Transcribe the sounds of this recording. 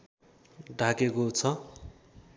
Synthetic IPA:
ɖʱakekot͡sʰʌ

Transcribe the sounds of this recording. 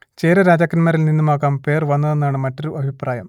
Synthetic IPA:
t͡ɕeːɾɐɾaːd͡ʑaːkːɐnmɐɾilninːɐmaːkaːmpe̞ːrʋɐnːɐðenːaːɳɨmɐtːoɾuʔɐbʱipraːjɐm

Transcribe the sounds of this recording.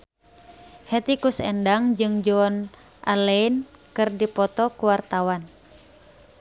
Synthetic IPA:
hɛt̪ikusɛndaŋd͡ʒɨŋd͡ʒɔn | ʔa̰lɛinkɨrdipɔt̪ɔkuwart̪awan

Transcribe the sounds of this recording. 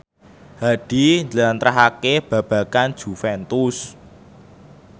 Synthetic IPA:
haɖ̥i̤ɲd͡ʒlant̪ɾaɦakeb̥ä̤b̥a̤kand̥ʒ̥ṳfɛnt̪us

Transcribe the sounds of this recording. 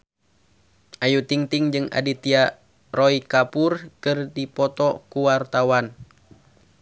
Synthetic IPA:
ʔajut̪iŋt̪iŋd͡ʒɨŋa̰dit̪ia | rɔikapurkɨrdipɔt̪ɔkuwart̪awan

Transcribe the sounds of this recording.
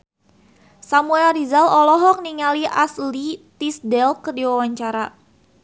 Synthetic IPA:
samuɛldizalɔlɔɦɔk̚niŋaliʔaslit̪isdɛlkərdiwawaɲt͡ʃaɾa

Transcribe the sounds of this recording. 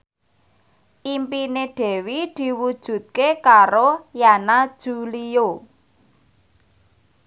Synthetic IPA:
ʔimpineɖ̥ɛ̤wid̪̥i̤wud̥ʒ̥ṳt̪̚kekaɾojanad̥ʒ̥ulio

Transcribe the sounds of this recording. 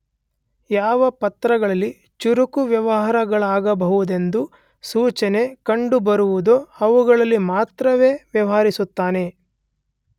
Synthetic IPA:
jaːʋɐpɐt̪ɾɐɡɐɭɐlːi | t͡ʃuɾukuʋjɐʋɐɦaːɾɐɡɐɭaːɡɐbɐɦuud̪e̞nd̪u | suːt͡ʃɐne̞kɐɳɖubɐɾuʋud̪oɐʋuɡɐɭɐlːimaːt̪ɾɐʋe̞ːʋjɐʋɐɦaːɾisut̪ːaːne̞

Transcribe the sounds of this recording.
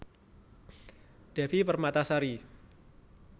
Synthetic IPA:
ɖ̥ɛ̤fipərmat̪asaɾi

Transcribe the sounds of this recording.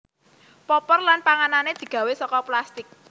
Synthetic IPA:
pɔpɔrlanpaŋananed̪̥i̤ɡ̥ä̤wesɔkɔplast̪ɪk̚

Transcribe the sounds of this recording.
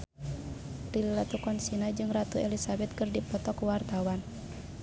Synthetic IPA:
dililat̪ukɔnsinad͡ʒɨŋrat̪uɛlisabɛt̪̚kɨrdipɔt̪ɔkuwart̪awan

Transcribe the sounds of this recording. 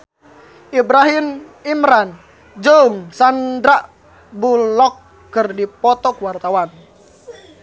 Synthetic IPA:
ʔibɾaɦimimɾan | d͡ʒəuŋsandɾaʔ | bulɔkː | ɨrdipɔt̪ɔkuwart̪awan

